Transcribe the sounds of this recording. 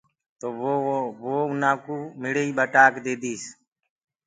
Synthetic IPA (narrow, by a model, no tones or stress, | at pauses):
t̪oːoʋoːʊnãːkuːmɪɭeiːɓəʈaːkd̪eːd̪iːs